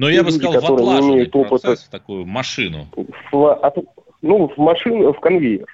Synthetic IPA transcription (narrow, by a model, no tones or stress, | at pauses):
nlʲudʲɪkɐt̪o̞ɾɨjənʲɪɪmʲejʊt̪o̞pɨt̪əumɐʂɨnʊ̰fvɐt̪ | nuvmɐʂɨnfkɐnvʲeɪr